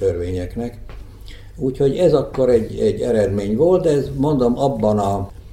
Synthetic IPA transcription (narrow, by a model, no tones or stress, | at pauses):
ørʋeːɲɛknɛk | uːcho̞ɟɛzɒkːo̞ɾɛɟːɛɟːɛɾɛd̪meːɲʋolt̪̚d̪ɛɛzmo̞nd̪o̞mɒbːɒnɒ